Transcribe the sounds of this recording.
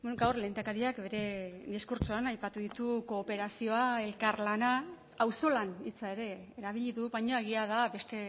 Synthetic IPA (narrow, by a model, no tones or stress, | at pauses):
ɡawrle̞nd̪akaɾiakbe̞ɾe̞d̪iskuɾt͡ʃoanajpat̪uðit̪uko̞ːpe̞ɾasio̞ae̞lkaɾlana | awso̞lanit͡sae̞ɾe̞ːɾaβ̞iʎiðuβajɲoe̞ɣ̞iað̞abe̞st̪e̞